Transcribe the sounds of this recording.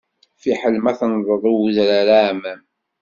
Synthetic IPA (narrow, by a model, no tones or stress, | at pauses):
fiħəlmæθnðˤəðˤuwðɾaɾamæm